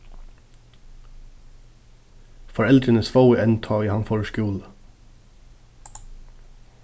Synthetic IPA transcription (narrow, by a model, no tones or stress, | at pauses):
fɔɹɛld̪ɹənəsfɑʊəʔɛnt̪ʰɑːiːhɑnfɔɹəʃkʉːlə